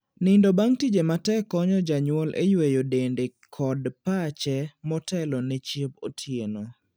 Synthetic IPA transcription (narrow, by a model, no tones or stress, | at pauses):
nɪndobaŋtid͡ʒematɛkːɔɲɔd͡ʒaɲwɔlʔḛjwejodendekʰɔdpat͡ʃɛmɔtɛlɔnet͡ʃep̚o̰tʰjeno